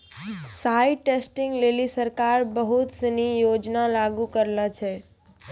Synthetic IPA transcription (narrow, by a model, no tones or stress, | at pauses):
saɪʈesʈɪŋɡlelisəɾkaɾbəɦut̪sənijod͡ʒnalaɡukəɾlat͡ʃʰɛ